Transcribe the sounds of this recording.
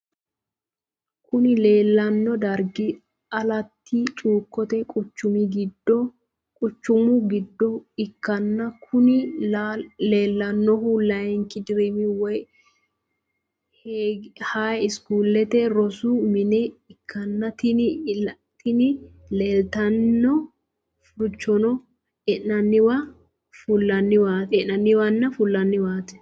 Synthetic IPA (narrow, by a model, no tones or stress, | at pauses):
kʰʊnɪle̞ːlːɐnːɔd̪ɐɾɡɪ | ɐlɐt̪ʰːit͡ʃʼuːkːɔt̪ɛkʼʊt͡ʃːʊmiɡɪd̪ːɔ | kʼʊt͡ʃːʊmʊɡɪd̪ːɔɪkːɐnːɐkʰʊnɪ | leːlːɐnːɔhʊlɐjŋkɪd̪ɪɾimɪwɔj | hehaːjɪskuːlːɛt̪ɛɾɔsumɪnɛɪkʰːɐnːɐt̪ɪn | t̪ɪnɪ | leːlt̪ɐnːɔ | fʊt͡ʃːɔnɔ | ɛnɐnːɪwɐ | fʊlːɐnːɪwaːt̪ɛʔɐnːɪwɐnːɐfʊlːɐnːɪwaːt̪ɛ̥